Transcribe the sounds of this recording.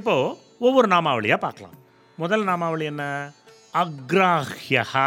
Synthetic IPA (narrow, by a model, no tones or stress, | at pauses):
ipːo | oʋːɐɾunaːmaːʋɐɭijɐpa̰ːkɐɭa̰ːm | mɔd̪ɐlːɐnaːmaːʋɐɭɪjɐnːɐ | ɐɡɾaːhjɐhɐ